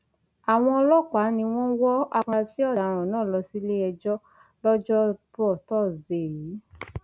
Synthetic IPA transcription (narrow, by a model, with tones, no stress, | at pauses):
a˨w̃ɔ̃˧ɔ˧lɔ˦k͡pa˨˦nĩ˧w̃ɔ̃˦wɔ˦a˧ka˧si˨˦ɔ˦˨da˨ɾ̃ɔ̃˨nãː˦˨lɔ˧si˦le˦ɛ˧d͡ʒɔ˦ | lɔ˦d͡ʒɔ˦bɔ˦˨tɔ˦˨ze˨ji˨˦